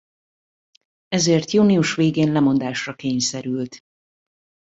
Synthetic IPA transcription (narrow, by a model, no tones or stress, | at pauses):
ɛzeːrt̪juːniuʃʋeːɡeːnlɛmo̞nd̪aːʃrɒkeːɲsɛɾylt̪